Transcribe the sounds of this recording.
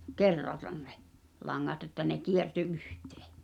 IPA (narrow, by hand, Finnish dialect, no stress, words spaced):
kerːɑtɑn ne̥ lɑŋːɑt etːæ ne kierty ʔyhte̥ː